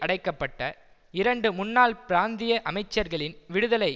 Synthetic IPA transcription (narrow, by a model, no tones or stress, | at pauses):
ʔɐɽɐɪkːɐpːɐʈːɐ | ɪɾɐɳɖɯmʊnːaːlpɪɾaːnd̪ɪjɐʔɐmɐɪt͡ʃːɐɾɣɐɭɪnʋɪɽɯðɐlɐɪ